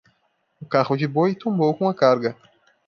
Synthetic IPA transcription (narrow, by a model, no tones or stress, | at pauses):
ʊkaʁʊd͡ʒɪbojt̪õmbowkõɐkaɾɡɐ